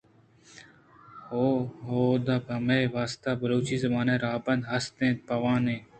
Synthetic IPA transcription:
hoːɦoːd̪aːpəmeːʋaːst̪aːbəɾoːt͡ʃiːzəmaːneːɾaːbə̃nd̪ɦɐst̪ẽːt̪̚pɐʋãːnẽː

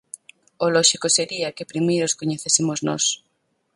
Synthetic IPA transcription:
olɔʃikoseɾiɐkepɾimejɾoskoɲeθesimoznɔ̰s

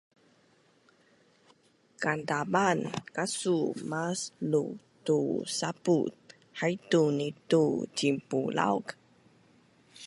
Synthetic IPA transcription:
kantabankasumaslutusaput̪̚ | hajtunitut͡ɕimpula̰wk

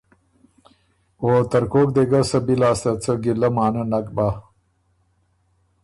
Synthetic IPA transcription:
oːt̪ɐɾkoːk̚d̪eɡɐsɐbilaːst̪ɐt͡sɐɡilɐmaːnɐnɐkbaː

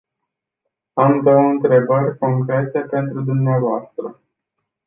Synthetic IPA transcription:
amd̪owɨnt̪ɾe̞bərʲko̞ŋkɾe̞t̪e̞pe̞nt̪ɾud̪umneavoast̪ɾə

